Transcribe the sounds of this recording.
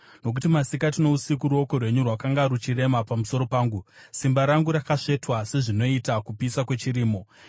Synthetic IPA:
no̞k̬utimasikatino̞usikuɾuo̞ko̞rwe̞ɲurwakaŋɡaɾut͡ʃire̞mapamuso̞ɾo̞paːŋɡusimbaɾaŋɡuɾakaʂe̞twase̞ʐino̞itakupisakwe̞t͡ʃiɾiːmo̞

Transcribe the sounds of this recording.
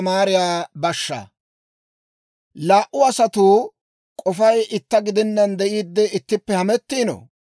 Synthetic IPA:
maːɾɪjaːbɐʃːɐ̰ | laːʔʊɐsɐt̪uː | kʼɔfɐjɪt̪ːɐɡɪd̪ɪnːɐnd̪ɛʔiːd̪ːɛɪt̪ːɪpːɛhɐmɛt̪ːiːnɔ̰

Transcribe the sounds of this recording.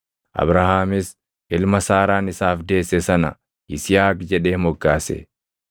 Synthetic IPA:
ʔɐ̰bɾɐhaːmɪs | ʔɪlmɐsaːɾaːnɪsaːfd̪e̞ːsːɛsɐnɐ | ʔɪsɪjaːkd͡ʒɛᶑe̞ːmɔɡːaːsɛ̰

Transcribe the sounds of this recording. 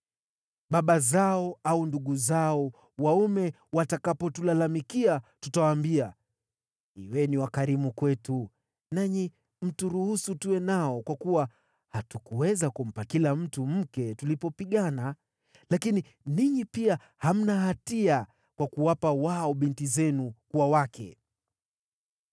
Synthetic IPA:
ɓaɓazaɔaunduɠuzaɔ | waumɛ | watakapɔtulalamikiatutawaːmbia | ḭwɛniwakaɾimukwɛtu | naɲi | m̩tuɾuhusutuwɛnaɔkwakuwa | hatukuwɛzakum̩pakilam̩tum̩kɛtulipɔpiɠana | lakini | niɲipia | ham̩naɦatia | kwakuwapawaɔɓintizɛnukuwawakɛ̰

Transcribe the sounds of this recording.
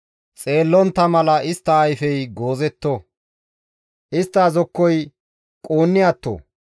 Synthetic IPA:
t͡sʼe̞ːlːɔnt̪ːɐmɐlɐɪst̪ːɐːjfɛjɡo̞ːzɛt̪ːo | ʔɪst̪ːɐːzɔkːɔj | kʼoːnːɪjat̪ːo̰ː

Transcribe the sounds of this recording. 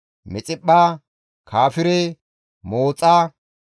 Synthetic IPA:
mɛt͡sʼɪɓːaː | kʰaːfɪɾɛ | moːt͡sʼaː

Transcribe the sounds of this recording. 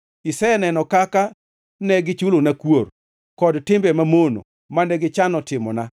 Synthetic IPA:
isɛanɛnɔkaka | nɛɡɪt͡ʃulonakwor | kɔdtɪmbɛmamono̰ | manɛɡɪt͡ʃanɔtɪmɔ̰na

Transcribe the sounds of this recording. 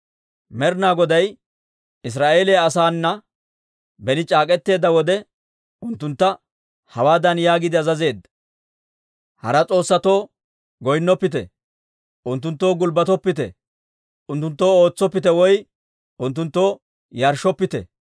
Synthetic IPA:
mɛɾnaːɡɔd̪ɐj | ɪs̬ɾaːʔe̞ːlejaɐsaːnːɐ | bɛnɪt͡ʃʼaːkʼɛt̪ːe̞ːd̪ːɐwɔd̪ɛ | ʊnt̪ːʊnt̪ːɐ | hɐwaːd̪ɐnjaːɡɪd̪ɪɐzɐze̞ːd̪ːɐ | hɐ̰ɾɐt͡sʼo̞ːsːɐt̪o̞ː | ɡɔjnːɔpːɪt̪ɛ̰ | ʔʊnt̪ːʊnt̪ːo̞ːɡʊlbɐt̪ɔpːɪt̪ɛ̰ | ʔʊnt̪ːʊnt̪ːo̞ːo̞ːt͡sːɔpːɪt̪ɛwɔj | ʊnt̪̬ːʊnt̪ːo̞ː | jɐɾʃɔpːɪt̪ɛ̰

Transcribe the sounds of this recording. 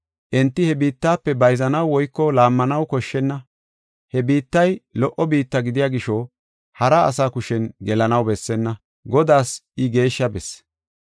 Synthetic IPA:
ʔɛnt̪ːɪhɛbiːt̪ːaːpːɛbɐjzɐnɐwwɔjkːɔlaːmːɐnɐwkɔʃːɛnːɐ | hɛbiːt̪ːɐjlɔʔːɔbiːt̪ːɐɡɪd̪ɪjaːɡɪʃɔ | hɐɾa̰ːsaːkʊʃɛnɡɛlɐnɐwbɛsːɛnːɐ | ɡɔd̪aːsɪɡe̞ːʃːɐbɛs

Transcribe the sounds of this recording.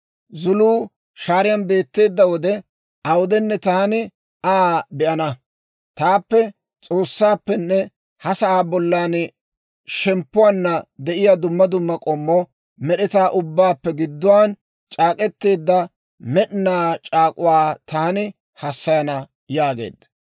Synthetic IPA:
zʊluː | ʃaːɾɪjɐnbe̞ːt̪ːe̞ːd̪ːɐwɔd̪ɛ | ʔɐwʊd̪ɛnːɛt̪ɐhɐnɪ | aːbɛʔɐnɐ | t̪aːpːɛ | t͡sʼo̞ːsːaːpːɛnːɛ | hɐsɐʔaːbɔlːaːn | ʃɛmpːʊwaːnːɐd̪ɛʔɪjad̪ʊmːɐd̪ʊmːɐkʼɔmːɔ | mɛɗɛt̪aːʔʊbːaːpːɛɡɪd̪ːʊwaːn | t͡ʃʼaːkʼɛt̪ːe̞ːd̪ːɐ | mɛɗɪnaːt͡ʃʼaːkʼʊwaːt̪ɐhɐnɪ | hɐsːɐjɐnɐ | jaːɡḛːd̪ːɐ̥

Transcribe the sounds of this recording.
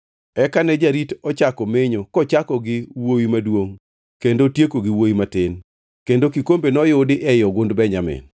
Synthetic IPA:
ɛkanɛd͡ʒaɾitɔt͡ʃakɔmɪɲɔkɔt͡ʃakɔɡɪwowimadwoŋ | kendotjekoɡɪwowimatɪn | kendokikombenɔjʊdɪʔɛjɔɡʊndbɛɲamɪ̰n

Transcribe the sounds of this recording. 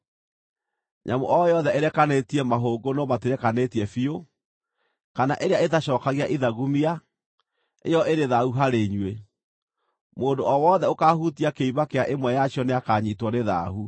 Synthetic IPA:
ɲʔa̰moʔɔjɔðɛeɾɛkanetiɛmaɦoɡonɔmateɾɛkanetiɛfio | kanaʔeɾeaeðaɕɔːkaɣeaʔiðaɣumia | ḛjɔʔeɾeðauɦaɾeɲwe | moːndoʔɔwɔːðɛokahutiakeiβakeaʔemwɛjaɕjɔneakaːɲitwɔneða̰ɦu

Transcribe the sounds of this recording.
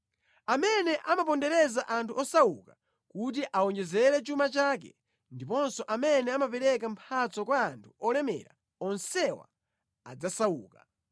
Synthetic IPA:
amɛnɛʔamapɔndɛɾɛzaʔantʰuɔsawuka | kut̬iʔaɔnd͡ʒɛzɛɾɛt͡ʃumat͡ʃaːkɛ̰ | ndipɔnsɔʔamɛnɛamapɛɾɛkam̩pʰat͡sɔkwaːntʰu̥ɔlɛmɛ̰ɾa̰ | ɔnsɛwa̰ | a̰d͡zasauːka

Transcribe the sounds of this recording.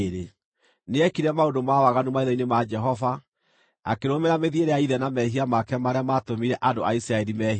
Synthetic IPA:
ɾe | neɛkiɾɛmaondomawaɣanumaiðainemad͡ʒɛɦɔva | a̰keɾomeɾameðieɾeaiðɛnamɛɦiamakɛmaɾeamatomiɾɛʔadoʔaisɾaɛɾimɛɦ

